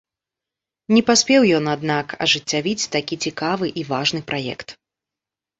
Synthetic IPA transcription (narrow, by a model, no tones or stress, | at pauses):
nʲɛpasʲpʲɛwjɔnad̪nakɐ̰ʐɨt͡sʲːavʲit͡sʲt̪akʲit͡sʲikavɨʔivaʐnɨpɾʔajɛ̰kt̪